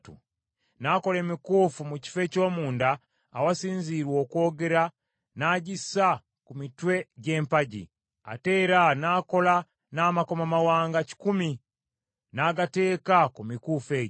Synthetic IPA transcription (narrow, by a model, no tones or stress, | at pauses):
tṵ | nako̞le̞mikufumuci̥fe̞co̞ːmuːndaː | wasiːnziɾwo̞ːko̞ːɡe̞ɾa | naɟisa | kumitwe̞ɟe̞ːmpaɟḭ | a̰te̞ɾanako̞la | naːmako̞mamawaːŋɡaci̥kumi | naːɡate̞ːkakumikufe̞ːɟ